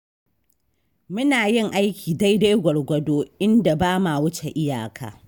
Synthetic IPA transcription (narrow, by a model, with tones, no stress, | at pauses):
mʊ˦naː˨jɪ˦˨ŋʔa˦jkʲiː˨da˦jda˦jɡʷɔ˨ɽɡʷɐ˨doː˦ʔɪ˦nda˨baː˦maː˨wʊ˦t͡ʃe˨ʔɪ˦ja̰ː˨kʰa̰ː˨